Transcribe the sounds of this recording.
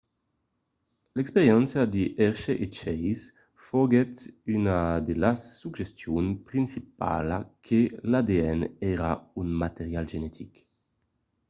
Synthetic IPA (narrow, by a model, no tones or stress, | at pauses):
lɛkspeɾjɛnsjad̪eʔɛɾʃeʔet͡ʃɛjs | foɡɛt̪ynad̪elasːuɡʒest̪junpɾinsip̚a̰la̰kʰelad̪eɛnɛɾaunmat̪eʁjalʒenɛt̪ʰik